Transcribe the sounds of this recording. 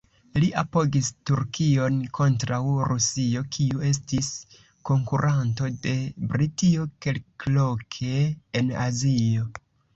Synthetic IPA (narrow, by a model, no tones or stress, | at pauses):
liʔapo̞ɡistuɾkio̞nkʰo̞ntɾawɾʔusio̞kʰiue̞s̬tis | ko̞ŋkuɾʔanto̞de̞bɾitio̞ke̞lklo̞kʰe̞ːna̰zio̞